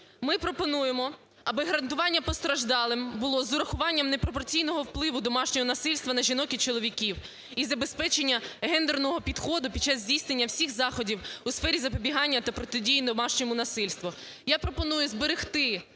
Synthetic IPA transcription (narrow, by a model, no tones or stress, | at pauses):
mɪpɾɔpɔnujemɔ | ɐbɪɦɐɾɐnt̪ʊʋɑnʲːɐpɔst̪ɾɐʒd̪ɑlˠɪmbʊlˠɔzʊɾɐxʊʋɑnʲːɐmnepɾɔp̬ɔrt͡sʲijnɔɦɔwplˠɪʋʊd̪ɔmɑʃnʲɔɦɔnɐsɪlʲst̪ʋɐnɐʒʲinɔkʲit͡ʃɔlˠɔʋʲikʲiw | izɐbespɛt͡ʃenʲːɐɦɛnd̪ernɔɦɔpʲid̪xɔd̪ʊpʲid̚t͡ʃːazʲdʲijsnenʲːɐwsʲixzɑxɔdʲiwʊsfɛɾʲizɐpɔbʲiɦɑnʲːɐt̪ɐpɾɔt̪ɪdʲijinɔmɑʃnʲɔmʊnɐsɪlʲst̪ʋʊ | japɾɔpɔnujʊzbeɾɪxt̪ɪ